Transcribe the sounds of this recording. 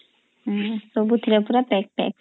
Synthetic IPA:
sobut̪ʰiɾɛpuɾapɛk̚pɛ̰k

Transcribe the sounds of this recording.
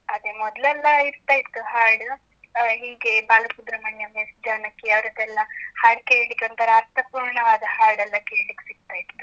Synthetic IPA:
ɐd̪emɔd̪lɛlːɐiɾt̪aːjit̪ːuɦaːɾɖ | ɦiːɡebaːlɐkud̪ɾɐmɐɳjɐmjesd͡ʒaːnɐkːejaːʋɾɐd̪ɛlːɐhaːɾɖ̚keːɭlikːeɐnt̪ɐɾɐːɾt̪ɐpuːɾɳɐɐd̪ɐhaːɾɖɛlːɐkeːɭlikːe̥siɡ̚t̪aːjit̪ːu̥

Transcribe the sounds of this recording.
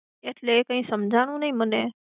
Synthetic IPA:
et̪ʰlekəĩsəmd͡ʒʱaːɽ̃ũnəĩmənɛː

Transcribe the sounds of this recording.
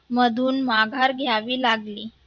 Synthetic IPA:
məd̪ʱuːnmaɡʱaɾɡʱjaʋiːlaɡliː

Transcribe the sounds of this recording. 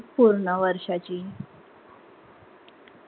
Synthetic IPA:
puɾnaʋəɾɕat͡ɕi

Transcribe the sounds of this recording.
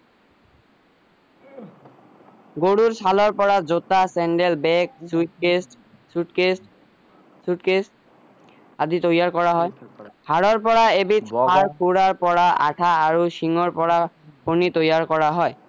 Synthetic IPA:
ɡoɽuɹsalɔɹpɔɹazotasɛnɖelbɛk̚ss | sutkes | sutkes | aditojaɹkɔɹaɦɔjhaɹɔɹpɔɹaebitʰaɹpuɹaɹpɔɹaa̰ʈʰaːɹuʃiŋɔɹpɔɹa | pʰonitojaɹkɔɹaɦɔj

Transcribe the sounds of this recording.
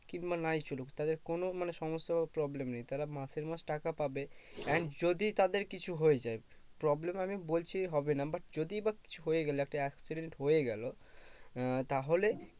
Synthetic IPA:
kinbanajt͡ɕulukt̪ad̪eɾkonomaneʃɔmosapɾɔblemnejt̪aɾamaseɾmasʈakapabeɛnd͡ʑod̪it̪ad̪eɾkit͡ɕʰuɦojed͡ʑae | pɾɔblemamibolt͡ɕʰiɦɔbenabaʈ̚d͡ʑod̪iebaki̥t͡ɕʰuɦojeɡɛloɛk̚ʈaɛksiɖeɳʈɦojeɡɛlo | t̪aɦole

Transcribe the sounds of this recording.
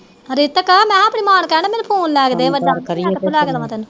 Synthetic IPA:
ɾɪt̪əkəmɛ̃ːapɳiːmaːnkɛnːmɛ̃ːnũːpʰoːnlɛːɡd̪eːʋəɖaːəɾɾʰlɛːɡd̪ʋãːt̪ɛːnũː

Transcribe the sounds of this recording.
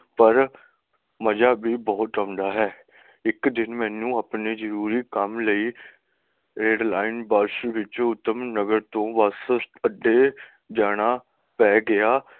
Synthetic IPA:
pəɾ | məd͡ʒaːbʱiːbɔːt̪ãːnd̪aːɦɛː | ɪkd̪ɪnmɛ̃ːnũːapneːzəɾuːɾiːkəmləiː | ɾeːɖlaːɪnbaːɾʃʋɪt͡ʃʊt̪ːəmnəɡəɾt̪õːʋəsəɖːeː | d͡ʒaːɽ̃aː | pɛːɡɪaː

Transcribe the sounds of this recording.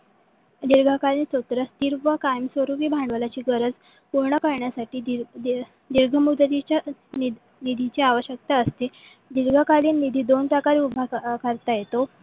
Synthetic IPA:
d̪iɾɡʱəkaliːnsət̪ɾəst̪iɾʋəkajəmsʋəɾuʋibʱaɳɖʋəlat͡ɕiːɡəɾəd͡z | puɾɳəkəɾɳjasaʈiː | d̪iɾɡʱəmud̪t̪it͡ɕa | nid̪ʱit͡ɕeaʋəɕjək̚t̪aəst̪e | d̪iɾɡʱakaliːnːid̪ʱiːd̪onʈakaɾiubʱakəɾt̪ajet̪o

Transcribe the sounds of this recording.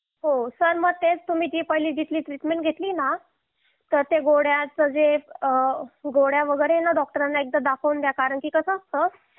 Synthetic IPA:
ɦosəɾməɡ̚t̪et͡st̪um̤iːd͡ʑiːpəɦiliːd͡ʑit̪liːt̪ɾiʈmeɳʈɡʱet̪liːna | t̪əɾt̪eɡoɽjat͡səd͡ze | ɡoɽjaʋəɡəɾenaɖɔk̚ʈəɾanːaek̚d̪əd̪akʰəwnd̪jakaɾəɳkiːkəsəːst̪əː

